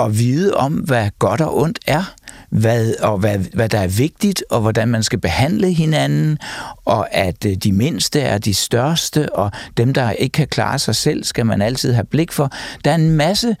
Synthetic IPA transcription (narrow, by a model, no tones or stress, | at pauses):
ɒ̽ʋiːð̞ˠəʔɒ̽m̰ʋæɡ̥ɒ̽ɾ̥ɒʔɔ̽n̰d̥æɐʋæðɒʋæʋæd̥ɑ̈æɐʋe̝ɡ̥̚d̥id̥ɒ̽ʋɒd̥ænmænsɡ̥æb̥e̝hæn̰ləɦe̝nænn̩ʔɒ̽ʔæd̥d̥ime̝n̰sd̥əæɐd̥isd̥ɶɐsd̥əɒ̽d̥emd̥ɑ̈e̝ɡ̥əkʰækʰlɑ̈ːsɑ̈ɪsel̰sɡ̥æmænæl̰t͡sʰið̰ˠɦæb̥le̝ɡ̥fɒ̽d̥ɑ̈ɐe̝nmæsə